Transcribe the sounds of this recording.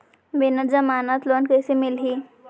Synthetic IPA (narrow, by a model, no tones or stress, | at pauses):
benəɾd͡zəmanat̪lonkəjsemilɦi